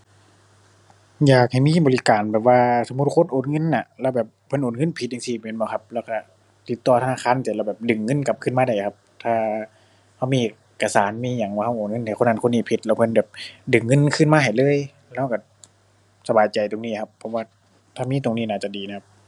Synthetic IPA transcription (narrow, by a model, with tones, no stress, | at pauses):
jaː˨˩k̚ha˨˩jmiː˧˥˨bɔː˨li˦˧kaː˨˩nbɛː˨˩p̚waː˧so˨˧˦mu˧˥t̪̚kʰo˧˥˨nʔoː˨n̚ŋɤ˧˥˨nːa˧˩lɛː˧wbɛː˨˩pʰːɤ˧˥˨nʔoː˨˩nŋɤ˧˥˨npʰi˧˦t̪̚ja˨ŋsiː˧˩˨meː˧˨nbɔː˧˩kʰa˧˥p̚lɛː˧˩wka˧˩ | t̪i˧˦t̪ːɔː˧t̪ʰnaː˧˩kʰaː˧˥˨nt̪i˧˩lɛ˧˩wbɛː˨˩p̚dɯ˨˩ŋːɤ˧˥˨nka˧˦p̚kʰɯ˧˥˨maː˧da˧˩jkʰa˧p̚t̪ʰaː˧˩ | ha˧˩wmiː˧˨ʔe˨˧˩kːa˧saː˨˦nmiː˧˥˨ɲa˨˦ŋwaː˧˩ha˧˩wʔoː˨˩n̚ŋɤ˧˥˨na˨˩jxo˧˨nːa˧˨nkʰo˧˥˨niː˧˩˨pʰi˧t̪̚lɛ˧˩pʰɤ˧˥˨nbɛː˨˩p̚dɯ˨˩ŋːɤ˧˥˨nkʰɯː˧˥˨nmaː˧ɦa˨˩jlɤː˧˥˨j | lɛː˧˩˨wka˧˩ | sa˧baː˨˩jt͡ɕa˨˩jt̪o˨˩ŋniː˧˥˨kʰa˧pʰːɔ˧waː˧˩ | t̪ʰaː˧˩miː˧˥˨t̪o˨ŋniː˧˩˨naː˧˩t͡ɕa˧˩diː˨˩na˧˩kʰa˧p̚